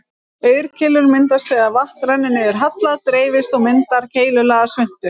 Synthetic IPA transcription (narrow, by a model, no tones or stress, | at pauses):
œːɥɾ̥cʰɪlːʏɾmɪnt̪ast̪ɛːɣavaht̪ɾanːɪnːɪɛɾ̥ɦat̪laðt̪ɾeːjvɪst̪ɔɣmɪnt̪aɾ̥cʰeːjlʏlaɣasvʏn̥t̪ɪɾ̥